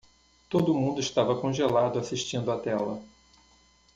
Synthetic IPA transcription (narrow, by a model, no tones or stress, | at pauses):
t̪od̪ʊmũnd̪ʊiʃt̪avɐkõʒelad̪ʊasiʃt͡ʃĩnd̪ʊat̪ɛlɐ